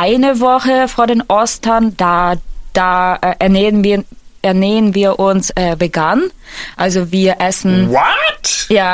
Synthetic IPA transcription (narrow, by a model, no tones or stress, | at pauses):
ʔaɪnəvɔχəfoːɐdeːnʔɔstɐnd̥aːd̥aːʔɛʔɛɐneənviːɛɐneːənviːɐʔʊnsʔɛːbəɡanʔalzoviːɐʔɛsn̩wɔtjaː